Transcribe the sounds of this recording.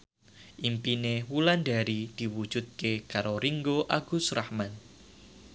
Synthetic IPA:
ʔimpinewulanɖa̤ɾid̪̥i̤wu̥d͡ʒ̥ṳt̪̚kekaɾoɾiŋɡoʔaɡ̥ʊsrahman

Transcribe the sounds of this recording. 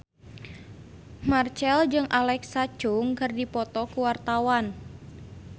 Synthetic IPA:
mart͡ʃɛld͡ʒɨŋʔalɛksḁt͡ʃʊŋkərdipɔt̪ɔkuwart̪awan

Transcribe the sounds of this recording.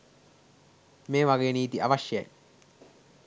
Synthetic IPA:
meːʋaɡeːniːt̪iɐʋɐʃjɐ̰j

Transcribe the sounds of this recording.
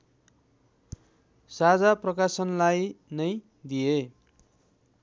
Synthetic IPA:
sad͡zaprʌkasʌnlajnʌj | d̪ije

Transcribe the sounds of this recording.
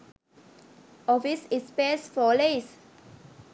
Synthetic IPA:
ɔfisispesfɔles

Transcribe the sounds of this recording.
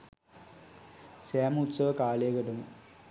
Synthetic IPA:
saːmut̪sɐʋɐkaːlejɐɡɐʈɐmu

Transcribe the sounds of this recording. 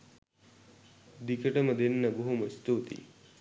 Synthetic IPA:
d̪ikəʈəməd̪enːəbuɦuməist̪uːt̪ḭ

